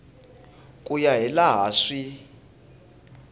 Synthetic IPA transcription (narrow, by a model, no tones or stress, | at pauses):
kʼujaɦɛlaɦaːʂi